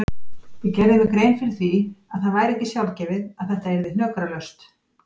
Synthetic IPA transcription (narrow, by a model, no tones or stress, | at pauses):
vɪcɛɾðɪvɪkɾejnfɪɾɪɾ̥θviaðθaðvajɾɛhcɪsjawlcɛvɪðaðθɛht̪aɛɾvɪðnœkɾalœst̪